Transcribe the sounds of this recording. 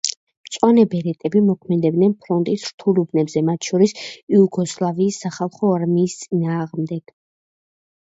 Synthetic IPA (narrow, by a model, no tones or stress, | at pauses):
mt̪sʼwanɛbɛɾɛt̪ʼɛbimɔkʰmɛd̪ɛbd̪nɛnpʰɾɔnt̪ʼisɾt̪ʰulubnɛbzɛmat̪ʰʃɔɾisiuɡɔslˠaviːsːaχalˠχɔaɾmiːst̪sʼinaːʁmd̪ɛɡ̥